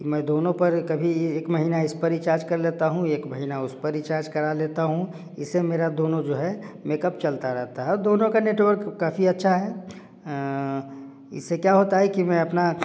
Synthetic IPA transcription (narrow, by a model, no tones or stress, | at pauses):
mɛ̃ːd̪oːnõpɐɾkɐbʱieːkmɐɦiːnaɪspɐɾit͡ʃaːɾd͡ʒkɐɾleːt̪aɦũeːkmɐɦiːnaʊspɐɾit͡ʃaːɾd͡ʒkɐɾaleːt̪aɦũ | ɪsemeːɾad̪oːnõd͡ʒoːɦɛmeːkəp̚t͡ʃɐlt̪aɾɛɦt̪aɦɛɔɾd̪oːnõkaneːʈwəɾkːaːfiɐtːʃʰaɦɛ | ɪ̰sːekjaɦoːt̪aɦɛkimɛ̃ɐpna